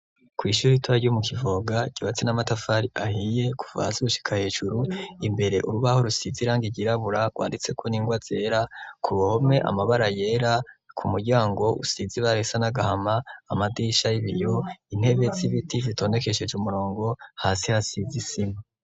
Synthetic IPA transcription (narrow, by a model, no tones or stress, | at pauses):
kwiːʃuːɾitʰwaɾɟumukʰivo̞ɡaɟ̥iβat͡senamatafaɾiʔahije̞ku̥va̰siɾuʃi̥kʰahe̞ːʒuɾuimbe̞ɾe̞ʔuɾuβaho̞ɾusiziɾaːŋɡiɟiɾaβuɾaɡwa̰ːndit͡se̞kʰoniːŋɡwaz̥e̞ːɾakʰuβohome̞ʔa̰maβaɾaje̞ːɾakʰumuɟaːŋɡo̞ʔṵsiziβaɾesanaɡahamaːmadiːʃajiβijo̞in̥e̞βeziβitivitʰo̞ːne̞ke̞ʃe̞d͡ʒumuɾo̞ːŋɡo̞haːsihasizisima